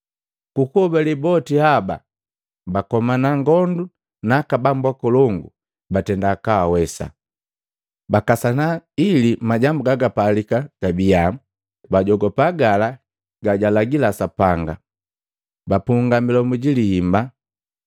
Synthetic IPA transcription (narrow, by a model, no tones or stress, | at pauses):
kukɔbalibɔtihaba̰ | bakɔmanaŋɡɔndu | nakabambwakɔlɔŋɡu | batɛndakawawɛsa̰ | bakasanailimaɟambuɡaɡapalikaɡ̥abija | baɟɔɡɔpaɡala | ɡaɟalaɡilasapaŋɡa̰ | bapuŋɡamilɔmuɟilihimba